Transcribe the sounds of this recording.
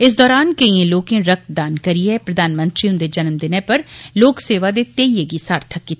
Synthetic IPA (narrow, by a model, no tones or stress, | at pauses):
ɪs̬d̪ɔːɾaːnkɐĩẽloːkẽɾɐk̚t̪̚d̪aːnkɐɾiɛpɾɐd̪ʱaːnmə̃nt̪ɾiʊ̃nd̪ed͡ʒɐnmd̪ɪnẽpɐɾloːkseːʋad̪et̪eːijeɡisaːɾt̪ʰəkːit̪ʰː